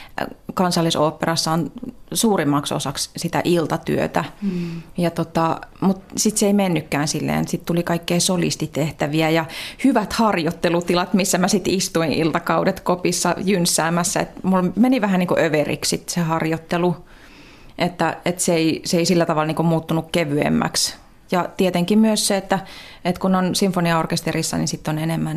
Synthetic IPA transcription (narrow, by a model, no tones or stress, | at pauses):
kɑnsɑlːisoːpːerɑsːɑonsuːrimːɑkso̰sɑkssit̪æ̰ʔilt̪ɑt̪y̰ø̰t̪æ | jɑt̪ot̪ɑmut̪sit̪seeimenːykːæːnsilːḛːnt̪sit̪t̪ulikɑikːeisolḭst̪it̪eht̪æʋiæjɑhyʋæt̪hɑrjot̪ːelut̪ilɑt̪misːæmæsit̪ist̪uiʔilt̪ɑkɑudet̪kopisːɑ̰jynsːæːmːæsːæḛt̪mulmeniʋæhæniːŋkuʔøʋerḭkssit̪sehɑrjot̪ːelu | ʔet̪ːæet̪seiseeisilːæt̪ɑʋɑlniːŋkumuːt̪ːunukkeʋyḛmːæ̰ks | jɑt̪iet̪eŋkimmyøsseet̪ːæet̪kunonsiɱfoniɑorkest̪erisːɑ̰nḭsit̪ːonenemːæn